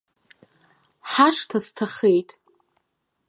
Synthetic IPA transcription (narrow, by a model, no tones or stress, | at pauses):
ħaʂtʰastʰaχe̞jtʼ